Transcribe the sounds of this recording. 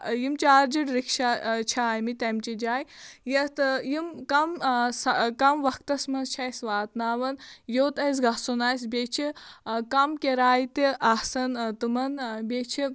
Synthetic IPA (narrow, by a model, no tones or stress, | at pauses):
jimt͡ʃaːɾd͡ʒiɽɾikʃat͡ʃʰaːjmit̪ɐmt͡ʃid͡ʒaːjjɐt̪jimkɐmskɐmʋɐk̚ʰt̪ɐsmɐnzt͡ʃʰajsʋaːt̪naːʋɐnjoːt̪ɐjs̬ɡɐsonaːsʲbʲet͡ʃʰikɐmkʲeɾaːjt̪iʔɐhsɐnt̪ɨmɐnbʲet͡ʃʰi